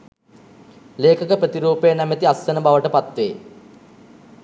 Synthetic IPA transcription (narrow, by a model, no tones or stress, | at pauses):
leːkəkəpɾət̪iɾuːpejənæmət̪iasːənəbaʋəʈəpat̪ʋeː